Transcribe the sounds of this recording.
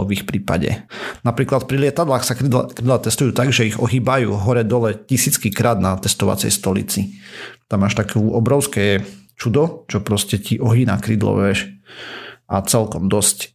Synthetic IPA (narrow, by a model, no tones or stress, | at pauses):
ʋixpɾiːpa̰ɟɛ̰napɾiːklat̪̚pɾilɪɛt̪ad̪laːxsaikɾid̪lat̪ɛst̪ujuːt̪aɡʒɛiɣɔɦiːbajṵːɦɔɾɛd̪ɔlɛcisiːt͡skikɾaːd̪nat̪ɛst̪ɔʋa̰t͡sɛ̰jst̪ɔlḭt͡sit̪amːaːʃt̪akuʔɔbɾɔʊskɛt͡ʃud̪ɔt͡ʃɔpɾɔscɛciʔɔɦina̰kɾiːd̪lɔ̰ʋɛʃ | ʔat͡sɛlkɔmd̪ɔsc